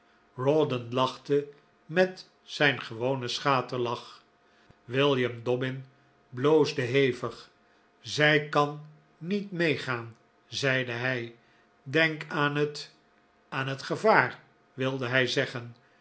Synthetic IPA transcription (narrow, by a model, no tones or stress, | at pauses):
rɔdənlɑχtə | mɛt | sɛjnχəʋownəsχaːtəlɑχ | ʋɪlˠjəmdɔbɪn | blowzdəɦejvəχ | zɛjkɑnː | itmejχaːn | zɛjdəɦɛj | dɛŋkanət | aːnɦətχəvaːɹ | ʋɪlˠdəɦɛjzɛχən